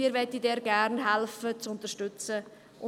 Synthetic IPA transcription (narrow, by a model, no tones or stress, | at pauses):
iːɾvɛtidɛːɾɡ̥æɾnɦɛlfət͡sʊntəɾʃtʏt͡sə | ʔʊ